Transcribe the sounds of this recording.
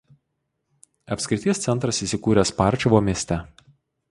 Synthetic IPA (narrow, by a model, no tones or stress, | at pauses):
ɐpʲsʲkʲɾɪt̪ʲiɛst̪sʲɛnt̪ɾɐsiːˑsʲɪkuːɾʲɛspɑˑɾʲˑt͡ʃʲɔʋoːmʲiɛsʲt̪ʲɛ